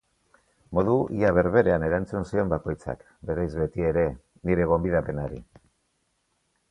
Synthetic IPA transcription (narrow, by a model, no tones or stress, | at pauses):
mo̞ðuʔḭaβ̞e̞ɾβe̞ɾe̞ane̞ɾant͡sunsie̞mbako̞jt͡sa̰k | be̞ɾajzβe̞t̪ie̞ɾe̞ | niɾe̞ɣ̞o̞mbiðape̞naɾi